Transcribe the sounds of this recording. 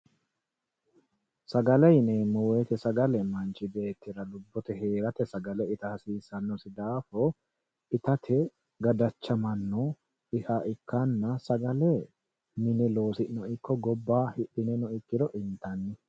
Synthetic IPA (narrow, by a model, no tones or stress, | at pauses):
sɐɡɐlɐjnɛmʊweːt̪ɛsɐɡɐlɛmɐnt͡ʃɪbe̞ːt̪ːɪɾɐlʊbːɔt̪ɛhe̞ːɾɐt̪ɛsɐɡɐlɛɪt̪ɐhɐsiːsɐnːɔsɪd̪aːfɔ | ɪt̪ɐt̪ʰɛ | ɡɐd̪ɐt͡ʃːɐmɐnːɔ | ɪhaːʔɪkːɐnːɐsɐɡɐlɛ | mɪnɛlo̞ːsɪnɔɪkʰːɔɡɔbːaːhɪᶑɪnɛnɔɪkːɪd̪ɔʔɪnt̪ɐnːɪ